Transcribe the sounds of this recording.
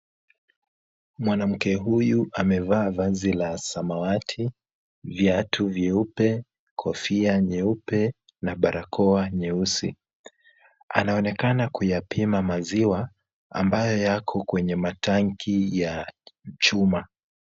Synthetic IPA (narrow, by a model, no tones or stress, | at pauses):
mwanam̩kɛɦujuʔamɛvaːvazilasamawatʰi | vjatʰuvjɛupɛ | kʰɔfiaɲɛupɛ | naɓaɾakʰɔaɲɛusḭ | a̰naɔnɛkanakujapimamaziwa | a̰mbajɔjakʰɔkwɛɲɛmatʰaŋkʰijat͡ʃuma